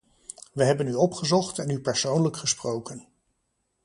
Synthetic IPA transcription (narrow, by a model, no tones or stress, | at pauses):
ʋəɦɛbənyɔpχəzɔχtɛnypɛɹsownləkχəsprowkən